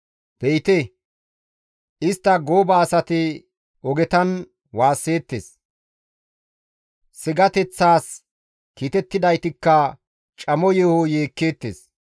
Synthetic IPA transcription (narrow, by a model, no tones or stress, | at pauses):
b̥ejt̪ɛ | ɪst̪ːɐɡoːbɐːsɐt̪ɪ | ɔɡɛt̪ɐn | waːsːe̞ːt̪ːḛːs | sɪɡɐt̪ɛt͡sːaːs | kiːt̪ɛt̪ːɪd̪ɐjt̪ɪkːɐ | t͡ʃʼɐmɔjɛhojeːkːe̞ːt̪ːḛːs